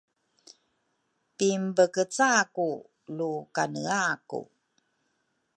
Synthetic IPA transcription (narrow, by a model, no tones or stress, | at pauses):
pimbəkət͡saku | lukanəakṵ